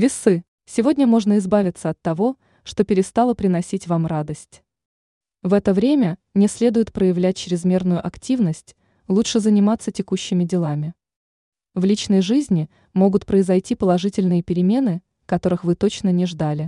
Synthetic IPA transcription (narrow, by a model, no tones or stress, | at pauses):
vʲɪsɨ | sʲɪvo̞dʲnʲəmo̞ʐnəɪzbavʲɪt̪səɐt̪ːɐvo̞ | ʂt̪o̞pʲɪɾʲɪst̪alˠəpɾʲɪnɐsʲitʲvamrad̪əsʲtʲ | vɛt̪əvɾʲemʲə | nʲɪsʲlʲe̞d̪ʊjɪt̪pɾəjɪvlʲæt̚ʲt͡ɕɾʲɪzmʲe̞rnʊjʊʔɐktʲivnəsʲtʲ | lˠuʂɨzənʲɪmat̪sətʲɪkuɕːɪmʲɪdʲɪlˠamʲɪ | vlʲit͡ɕnəjʐɨzʲnʲɪ | mo̞ɡʊt̪pɾəɪzɐjtʲipəlˠɐʐɨtʲɪlʲnɨjəpʲɪɾʲɪmʲe̞nɨ | kɐt̪o̞ɾɨxvɨt̪o̞t͡ɕnənʲɪʐd̪alʲɪ